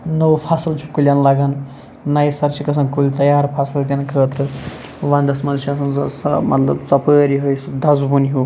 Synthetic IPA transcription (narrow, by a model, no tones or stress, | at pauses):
nowpʰasilt͡ʃʰu̥kuljanlaɡan | najsɐɾt͡ʃʰikɐs̬ʰɐnkulit̪ɐjaːɾpʰasilɡ̪inkʰəːt̪ʰɾɨ | ʋand̪ɐsmɐlsasɐnssmɐt̪lɐbt͡sɐpəːɾiɦojsd̪ɐzubuniɦu